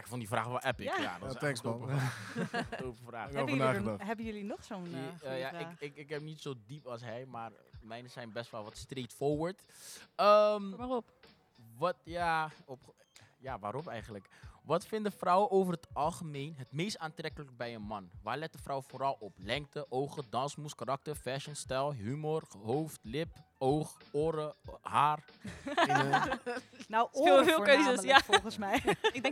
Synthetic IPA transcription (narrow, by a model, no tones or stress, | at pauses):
ɪkfɔndifraːχʋɛlˠʔɛpɪkja̰dɔsɛtopəaː | opəfraːnaːɦɛbəjəlinɔχsonjaɪɪkɪkɦɛp̚nitsowdipɑlˠsɦɛjmaːr | mɛjnəzɛjnbɛstʋɛlˠʋɑtstrejtfʊɹʋəɹtəmʋaɔp | ʋɑtjaɔp | jaːʋaːɾɔpɛjχənləkʋɑtfɪndəfrʌwəʔowvərɦətɑlˠχəmejnɦətmejstaːntrɛkələkbɛjənmɑnʋaːɹlɛt̚dəfrawəfoːɾɑlˠɔplɛŋk̚təʔowχədɑnsmuskaɾɑk̚təɹfɛʃənstɛlˠɦymorɦowftlɪpowχoːɾəɦaːr | nafɪːlˠkøɥzəsjafˠχənsmɛjɪɡdɛŋ